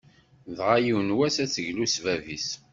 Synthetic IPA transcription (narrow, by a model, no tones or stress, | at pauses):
ðʁajiwnwæsæt͡sːəʝlusvævis